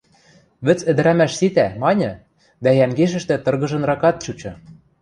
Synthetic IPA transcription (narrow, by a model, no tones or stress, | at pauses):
βɘ̆t͡sɘ̆d̪ɘ̆ɾæmæʃsit̪æmɑnʲɤ̆ | d̪æjæŋɡeʃ̬ɘ̆ʃt̪ɘ̆t̪ɤ̆rɣɤ̆ʒɤ̆nrɑkɑt̪̚t͡ɕut͡ɕɤ̆